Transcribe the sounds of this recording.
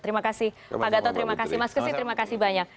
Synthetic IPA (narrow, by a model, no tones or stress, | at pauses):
t̪əɾimakasɪh | paɡat̪at̪əɾimakasimaskəsɪht̪əɾimakasihbaɲak̚